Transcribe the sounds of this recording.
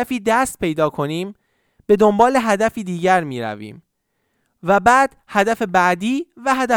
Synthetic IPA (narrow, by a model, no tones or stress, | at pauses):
æfiːd̪æst̪̚pʰe̞jd̪ɒːkʰo̞niːm | b̥e̞d̪o̞mbɒːle̞ɦæd̪æfiːd̪iːɟæɾmiːɾæ̰vḭːm | væbæːd̪̥hæd̪æfe̞bæʔd̪iːvæɦæd̪æ